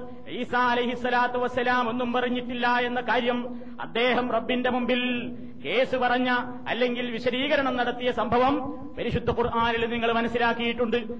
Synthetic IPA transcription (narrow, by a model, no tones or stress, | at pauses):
ʕiːsaːɐlɐjɦisːɐlaːt̪uʋɐsːɐlaːmo̞nːumpɐrɐɲːiʈːilːɐe̞nːɐkaːɾjɐm | ɐ̰d̪ːe̞ːɦɐmrɐbːinde̞mumbil | ke̞ːsupɐrɐɲːɐː | lːe̞ŋɡilʋiɕɐɾiːɣɐɾɐɳɐmnɐɽɐt̪ːijɐsɐmbʱɐʋɐm | pɐɾiɕud̪ʱːɐkurʔaːnileniŋːɐɭmɐnɐsːilaːkːijiʈːuɳɖɨ